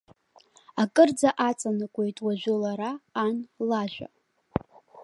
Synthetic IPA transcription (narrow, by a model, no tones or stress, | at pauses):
akʼɨrd͡zaʔat͡sʼanɨkʷʼe̞jtʼwaʒᶣʷʊlaɾaːnlaʒᶣʷa̰